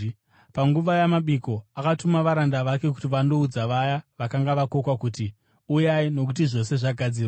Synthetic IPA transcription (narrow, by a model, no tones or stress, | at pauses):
paŋɡuʋajamaɓiko̞akatumaʋaɾandaʋake̞k̬u̥tiʋando̞ud͡zaʋajaʋakaŋɡaʋako̞kwakuti | ujaino̞k̬ut̬iʐo̞se̞ʐaɡʱad͡ziːrwa